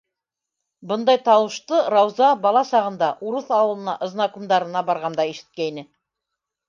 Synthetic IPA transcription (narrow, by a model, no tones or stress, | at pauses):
bɤnd̪ɑjt̪ɑwɤ̆ʃt̪ɤɾɑwzɑbɑlˠɑsɑʁɤ̆nd̪ɑʔuɾɤθɑwɤ̆lˠɤ̆nɑ̰ʔɤ̆znɑkumd̪ɑɾɤ̆nɑbɑɾʁɑnd̪ɑiʃɘ̥̆t̪̚kæinɘ